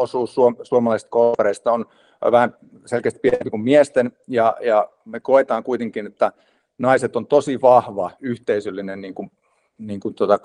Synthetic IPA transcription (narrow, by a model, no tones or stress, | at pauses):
osuːssuosuomɑlɑisĕ̥t̪̚kolʋereist̪ɑon̰ | ʋæhæm | selkeːst̪̚pieempikummiest̪enjɑjɑ | mekoet̪ɑːŋkuit̪eŋkinet̪ːæ | nɑiset̪ont̪osiʋɑhʋɑyht̪eisølːinenniːŋkun | niːŋkunt̪ot̪ɑ